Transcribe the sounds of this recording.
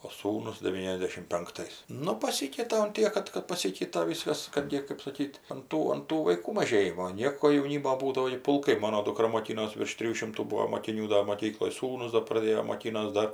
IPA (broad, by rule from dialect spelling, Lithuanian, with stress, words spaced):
oː ˈsuːnʊs dʲɛˈʋʲiːnʲɛzʲdʲɛʃʲɪm pʲɛŋkˈtɐɪs ˈnʊ pɐˈsʲiːkʲɛɪtɐ ʊn ˈtʲiɛk kɐt kɐt pɐˈsʲiːkʲɛɪtɐ ˈʋʲiːskɐs ˈkɐt ɡʲɪ kɜp sɐˈkʲiːtʲ ɐn ˈtuː ɐn ˈtuː ʋɐɪˈkuː mɐˈʒʲeːjɪmoː ˈnʲiɛkoː jɛʊˈnʲiːmoː ˈbuːdɐʋoː ɡʲɪ pʊlˠˈkɐɪ ˈmoːnoː dʊˈkrɐ moːˈkʲiːnoːs ʋʲɪrʃ ˈtʲrʲɪjuː ˈʃʲɪmtuː ˈbuːoː moːkʲɪˈnʲuː dɐ moːˈkʲiːklˠoːj ˈsuːnʊs doː prɐˈdʲeːjoː moːˈkʲiːnoːs ˈdɐr